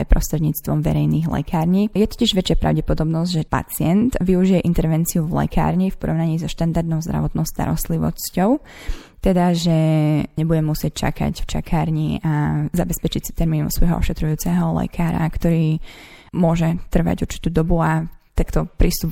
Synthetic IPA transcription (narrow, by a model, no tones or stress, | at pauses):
ɛpɾɔst̪ɾɛd̪ɲiːt͡st̪ʋɔmʋɛ̰ɾɛjniːɣlɛ̰kʰaːɾɲijɛt̪ɔ̥ciʒʋɛt͡ʃɪapɾa̰ʊɟɛpɔd̪ɔbnɔzɟʒɛpa̰t͡sɪɛnt̪ʋiuʒijɛʔint̪ɛɾʋɛnt͡siuvlɛ̰ka̰ːɾɲifpɔɾɔʊnaɲiːzɔʃt̪and̪aɾd̪nɔʊzd̪ɾa̰ʋɔt̪nɔʊst̪a̰ɾɔ̰st̪liʋɔ̰scɔʊ | t̪ɛd̪aʒɛɲɛbuɟɛmusɪɛc̚t͡ʃa̰ka̰cft͡ʃa̰kʰaːɾɲiazabɛspɛt͡ʃicsi̥t̪ɛɾmiːnɔ̰sʋɔjɦɔɔ̰ʃɛt̪ɾujuːt͡sɛɦɔlɛ̰kʰaːɾa̰kt̪ɔɾiːmʊɔʒɛt̪r̩ʋa̰ɟuɾt͡ʃi̥t̪uːd̪ɔbuat̪akt̪ɔpɾist̪up